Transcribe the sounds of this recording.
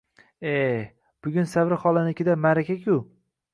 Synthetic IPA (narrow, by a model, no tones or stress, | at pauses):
e | b̥ʊɡʲʊnsavɾɪχɒlˠanɪkʲʰɪd̪amaɾakʲʰakʲʰʊ